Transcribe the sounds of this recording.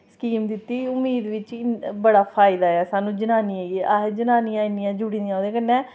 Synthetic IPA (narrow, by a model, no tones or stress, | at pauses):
skiːmd̪ɪt̪ːiːʊmiːd̪ʋɪt͡ʃbəɽaːpʰaːɪd̪aːɛːsaːnũːd͡ʒənaːniːaːiad͡ʒənaːniːãːɪnijãːd͡ʒʊɽiːnijaːod̪eːkənːɛ̃ː